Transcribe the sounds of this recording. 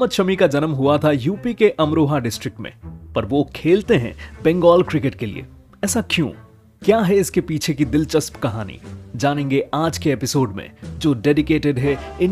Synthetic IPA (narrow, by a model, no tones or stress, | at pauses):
mət̪ʃɐmikad͡ʒɐnmɦuat̪ʰajuːpikeʔɐmɾoːɦaɖɪsʈɾɪk̚ʈmḛ̃pɐɾʋokʰeːlt̪eɦɛ̰̃bɛ̃ŋɡɔːlkɾɪkeʈkelḭḛː | ɛːsakjṵ̃ː | kjaːɦɛɪskepiːt͡ʃʰekid̪ɪlt͡ʃɐspkɐɦaːnḭd͡ʒaːnẽːŋɡeʔaːd͡ʒkeeːpɪsoːɖmḛ̃d͡ʒoːɖeːɖɪkeːʈɪɖɦɛɪn